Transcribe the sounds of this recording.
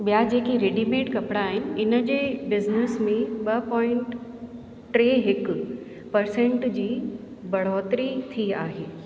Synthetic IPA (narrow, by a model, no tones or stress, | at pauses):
ɓijad͡ʑeːkiɾeːɖimeːʈkɐpɽaːɦɪnɪ̆ɪnə̆d͡ʑeːbɪznɪsmẽɓɐpɔːɪ̃ɳʈ | ʈɾeːɦɪk | pɐɾsẽɳʈd͡ʑiː | bɐɽ̤ɔːt̪ɾit̪ʰiaːɦeː